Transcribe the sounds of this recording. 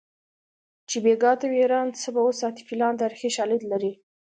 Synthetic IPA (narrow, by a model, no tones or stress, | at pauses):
t͡ʃebeɡɑt̪aweɾɑnt͡səbaosɑt̪ɪ̥filɑnd̪aɾxeʃɑlɪd̪laɾi